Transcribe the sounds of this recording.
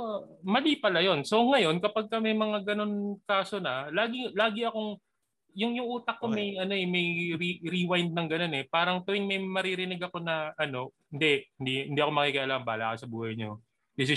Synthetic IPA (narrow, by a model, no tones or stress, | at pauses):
mɐliːpɐlɐjo̞nso̞ŋɐjo̞nkɐpɐɡ̚kɐmɐjmɐŋaɡɐno̞nkaːso̞nɐlaːɡɪlaːɡɪɐko̞ŋ | jʊŋjʊŋʔuːt̪ɐk̚ːo̞mɐjʔɐno̞ɛmɐjɾiɾiwajnd̪̚nɐŋɡɐno̞nɛpaːɾɐŋt̪ʊwɪŋmɐjmɐɾiɾɪnɪɡɐko̞nɐʔɐno̞hɪnd̪ɛʔhɪnd̪ihɪnd̪iːɐko̞mɐkikɐʔɐlaːŋɐnba̰ːla̰kɐsɐbuːhɐjɲo | d̪ɪsɪ